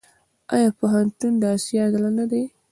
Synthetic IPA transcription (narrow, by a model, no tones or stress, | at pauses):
ɑ̰jɑpoɦant̪und̪əasijɑd̪alanad̪e